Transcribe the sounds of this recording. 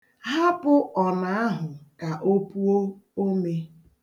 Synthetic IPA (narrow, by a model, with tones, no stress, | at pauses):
ɦa˦pʊ˦ʔɔ˨na˨a˦ɦʊ˨ka˨ʔo˦pu˦o˦o˦me˦